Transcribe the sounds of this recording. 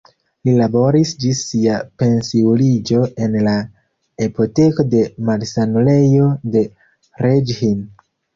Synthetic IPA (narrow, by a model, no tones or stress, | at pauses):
lilabo̞ɾisd͡ʒisːiape̞nsiwlid͡ʒo̞e̞nla | epo̞te̞ko̞de̞malsanule̞jo̞de̞ | ɾed͡ʒhin